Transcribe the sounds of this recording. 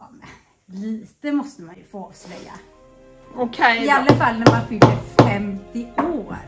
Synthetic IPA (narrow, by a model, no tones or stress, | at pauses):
ɑmɛn | liːt̪əmɔst̪əmanjɵfoːslɛ̰jːa̰ | oɪalːafalːnæɾmanfʏld̪əɾfɛmt̪ɪoːɾ